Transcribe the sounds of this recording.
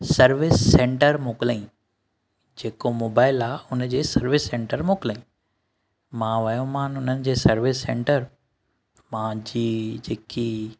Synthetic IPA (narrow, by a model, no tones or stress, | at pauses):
sɐɾʋɪsːẽɳʈəɾmoːkɪləĩ | d͡ʑeːkomoːbaːɪlaːʊnd͡ʑeːsɐɾʋɪsːẽːɳʈəɾmoːkɪlaĩ | mãʋɐjõmãːnʊnənɪ̆d͡ʑeːsɐɾʋɪsːḛ̃ːɳʈəɾ | mãd͡ʑiːd͡ʑeːki